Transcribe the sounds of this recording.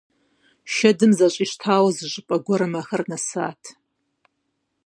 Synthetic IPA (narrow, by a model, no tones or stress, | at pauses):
ʃɐdɨmzɐɕʼiːʃtʰaːwɐzɨʑɨpʼɐɡʷɔɾɨmɐxɐrnɐsa̰ːtʰ